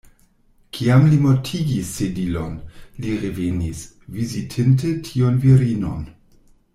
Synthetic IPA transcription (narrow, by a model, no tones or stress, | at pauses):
kʰiamlimotʰiɡisːedilo̞nliɾevenis | vizitʰint̬etʰionviɾino̰n